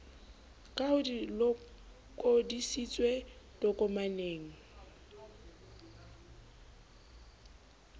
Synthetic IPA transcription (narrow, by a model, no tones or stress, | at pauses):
kʼaʊdilɔ | kʼodisit͡sʼwedɔkʼɔmaneːŋ̩